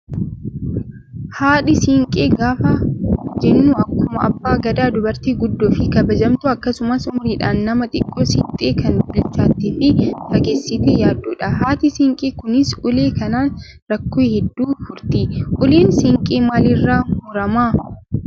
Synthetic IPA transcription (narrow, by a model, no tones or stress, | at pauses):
haːᶑɪsɪŋkʼeːɡaːfɐd͡ʒɛnːuːɐkːʊmɐɐ̰bːaːɡɐd̪aːd̪ʊbɐɾt̪iːɡʊd̪ːoːfɪkɐbɐd͡ʒɐmt̪ʊɐkːɐsʊmɐsʊmʊɾɪᶑaːnːɐmɐt̪ʼɪkʼːoːsɪt̪ʼeːkɐnbʊlt͡ʃːaːt̪ːifɪfɐɡeːsːɪt̪ejaːd̪ːuːᶑɐhaːt̪ɪsɪŋkʼiːkʊnɪsʊleːkɐnaːn | ɾɐkːoːhɛd̪ːuːfʊɾt̪ɪʔʊliːnsɪŋkʼiːmaːlɪrːaːhuːɾɐmaː